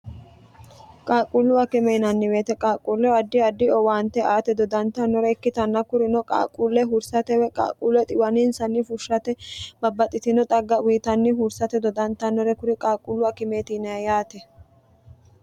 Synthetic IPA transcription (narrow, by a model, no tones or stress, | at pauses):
kʼaːkʼulːʊɐkɪmɛjnɐnːɪwe̞ːt̪ɛkʼaːkʼuːlːɛɐd̪ːɪɐd̪ːɪɔwaːnt̪ːɛʔaːt̪ɛd̪ɔd̪ɐnt̪ːɐnːɔɾɛɛkːɪt̪ɐnːɐkʊɾɪnɔkʼa̰ːkʼulːɛɦʊɾsɐt̪ɛwɛkʼa̰ːkʼuːlːɛt̪ʼɪwɐnɪnsɐnːɪfʊʃːɐt̪ɛbɐbːɐt̪ʼːɪt̪ɪnɔt̪ʼɐɡːɐwiːt̪ɐnːɪɦʊɾsɐt̪ɛd̪ɔd̪ɐnt̪ːɐnːɔɾɛkʊɾɪkʼaːkʼːulːʊɐkɪme̞ːt̪inɐɐjaːt̪ɛ